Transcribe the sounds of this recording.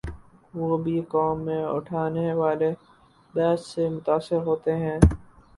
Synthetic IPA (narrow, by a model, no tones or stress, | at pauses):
ʋoːbʱikɔːmːẽʊ̰ʈʰaːneʋaːle | bɛːssemʊt̪aːsɪɾɦoːt̪eɦɛ̃ː